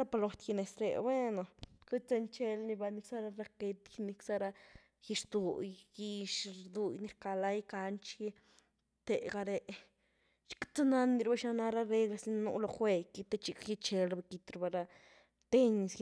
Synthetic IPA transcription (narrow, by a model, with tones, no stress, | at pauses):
ɾa˦pa˧lo˧t̪ki˧ne˨sɾḛ˨be˦no˨ke˦t͡se˧nt͡ʃe˧lni˧ba˧ni˧ksa˦ɾa˧ɾa˧ke˧t̪kini˧ksa˦ɾa˧ | ji˧ʂd̪u˨jɡi˧ʃɾd̪u˧jni˧ɾka˧la˧jka˧nt͡ʃi˦ | t̪e˨ɡa˧ɾe˧ | t͡ʃi̥˦kt͡sa˦na˦nd̪i˧ɾba˦ʃna˧na˧ɾa˦ɾe˧ɡla˧sni˧˦n˧nṵ˧˦lo˧xwe˧ki˧t̪e˦t͡ʃi˧kji˧t͡ʃe˧lɾba˧ki˧t̪ɾba˧ɾa˧ | t̪e˦ɲs